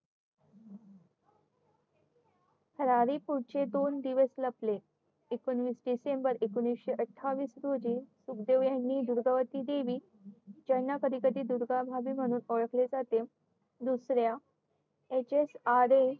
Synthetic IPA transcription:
hʰəɾaɾipuɾt͡ɕed̪ond̪iʋəsləple | ekonʋiːsɖisembəɾekonʋisɕeʔəʈʰːaʋiːsɾod͡ʑiːsukd̪eʋjanːiːd̪uɾɡaʋət̪iːd̪eʋiː | d͡ʑənːakəd̪ikət̪iːd̪uɾɡabʱabiːm̤əɽ̃uːnoɭəkled͡zat̪e | d̪usɾja | et͡ɕesaɾe

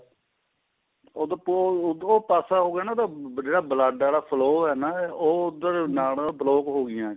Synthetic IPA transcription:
oːd̪ap̪ːoːpaːsaːɦoːɡjaːnãːt̪ãːd͡ʒeːɽaːbəlaːɖaːɽaːpʰəloːɦɛːnaːoːʊd̪əɾnaːlːbəloːkɦoːɡɪjãː

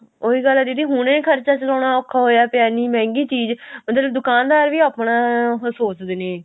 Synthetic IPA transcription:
oːiːɡəlːad̪iːt̪iːɦʊnẽːkʰəɾt͡ʃaːt͡ʃəlɔːɽ̃aːɔːkʰːaːɦoːjaːpɪjaːniːmɛ̃ːŋɡiːt͡ʃiːd͡ʒmət̪ləbd̪ʊkaːnd̪aːɾʋiːəːpɳãːsoːt͡ʃd̪eːneː

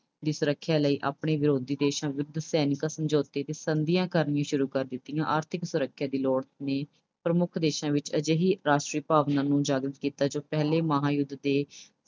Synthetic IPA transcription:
d̪iːsʊɾəkʰːjaːləiːʔa̰ːpɳeːʋɪɾoːd̪iːd̪eːʃãːʋʊd̪sɛːnɪkãːsəmd͡ʒoːt̪eːt̪eːsənd̪ɪjãːkəɾnɪjãːʃʊɾuːkəɾd̪ɪt̪ːɪjãːʔaːɾt̪ʰɪksʊɾəkʰːjaːd̪iːloːɽneː | pɾəmʊkʰd̪eːʃãːʋɪt͡ʃəd͡ʒeɦiːɾaːʃʈɾiːpaːʋnãːnũːd͡ʒaːɡɾət̪kiːt̪aːd͡ʒoːpɛɦleːməɦaːjʊd̪d̪eː

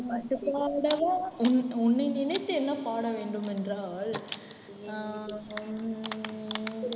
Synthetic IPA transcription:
mɐʈːɯpːaːɽɐʋɐ̃ʊnʊnːɪnɪnɐɪt̪ːɯɛnːɐpaːɽɐʋeːɳɖɯmɛndraːl

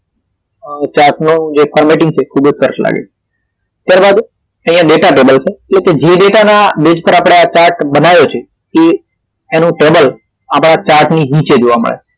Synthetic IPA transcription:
t͡ʃaɾʈnũd͡ʒefʰəɾmeʈɪ̃ŋɡt͡ʃʰekʰubəd͡ʒsəɾəsla̰ɡḛt͡ʃʰe | t̪jaɾbad̪ | ə̃ɦĩjãɖeʈaʈebəlt͡ʃʰeetleked͡ʒeɖeʈanabed͡ʒpəɾapɽ̃eat͡ʃaɾʈbənajot͡ʃʰe | keː | nũʈebəl | apɽ̃at͡ʃaɾʈniɦĩt͡ʃed͡ʒoʋamə̰ɭḛ

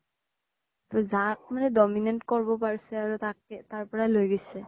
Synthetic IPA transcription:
t̪ɔzak̚manɛdɔminɛntkɔɹbɔpaɹisɛaɹut̪ak̚ɛt̪aɹpɔɹalojɡosɛ

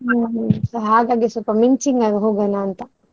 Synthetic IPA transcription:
sɐɾɦaːɡaːɡisɔlpɐmiɲt͡ʃiŋɡaːɡɐɦoːɡɐnaːnt̪ɐ

